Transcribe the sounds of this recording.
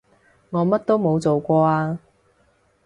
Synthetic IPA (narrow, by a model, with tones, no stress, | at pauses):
ŋɔː˨˧mɐ˥t̚t̪o˥wmo˨˧wt͡so˨wkʷɔː˧aː˧